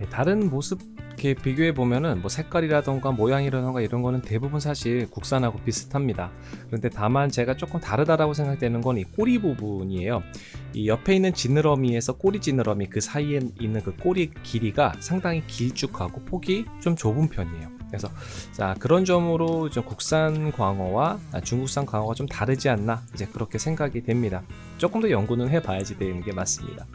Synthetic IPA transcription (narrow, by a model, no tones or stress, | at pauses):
je̞taɾɯnmosʰɯb̚kʰe̞piɡjoe̞bomjʌnɯnmwʌsʰe̞k͈aɾiɾadoŋɡamojaŋiɾadoŋɡaiɾʌnɡʌnɯnte̞bubunsʰaɕʰiɭkuk̚s͈anɦaɡopisʰɯ̥tʰamɲida | kɯɾʌnde̞tamant͡ɕe̞ɡat͡ɕ͈ok͈ɯmtaɾɯdaɾaɡosʰe̞ŋɡak̚dwe̞nɯnɡʌnnik͈oɾibubuɲie̞jo | ḭjʌpʰe̞inːɯnt͡ɕinɯɾʌmie̞sʰʌk͈oɾid͡ʑinɯɾʌmikɯsʰaiinːɯnkɯk͈oɾikiɾiɡasʰaŋdaŋikiɭt͡ɕ͈ukʰaɡopʰoɡit͡ɕomt͡ɕobɯnpʰjʌɲḛjokɾe̞sʰʌ | t͡ɕakɯɾʌnd͡ʑʌmɯɾot͡ɕomkok̚s͈anɡwaŋʌwaa̰t͡ɕuŋɡuk̚s͈aŋkwaŋʌɡat͡ɕomtaɾɯd͡ʑianːaid͡ʑe̞kɯɾʌkʰe̞sʰeŋɡaɡidwe̞mɲida | t͡ɕ͈ok͈ɯmdʌjʌŋɡunɯnɦe̞bajad͡ʑidwe̞inɯnɡe̞mas͈ɯmɲḭda